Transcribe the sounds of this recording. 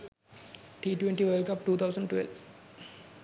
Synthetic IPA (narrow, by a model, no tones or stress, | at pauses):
ʈiːʈwẽɳʈiːʋelkɐp̚ʈuːt̪ʰawsɐ̃ɳɖʈʋḛlʋ